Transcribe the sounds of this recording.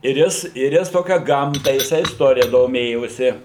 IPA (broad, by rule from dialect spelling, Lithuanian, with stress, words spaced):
ɪr ˈjɪs ɪr ˈjɪs ˈtoːkʲɛ ˈɡɐmtɐ jɪˈsɐɪ ɪsˈtoːrʲɪjɛ doːˈmʲeːjoːsʲɪ